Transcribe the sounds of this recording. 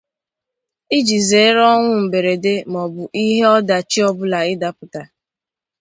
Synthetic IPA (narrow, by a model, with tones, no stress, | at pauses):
i˦d͡ʒi˨ze˨˦ɾɔ˦ŋʷʊ˦m̩˨be˨ɾe˨de˦mɔ˨bʊ˨ʔi˦ɦe˦ɔ˦da˨t͡ʃi˦ɔ˦bʊ˦la˨ɪ˦da˨pʊ˨ta˨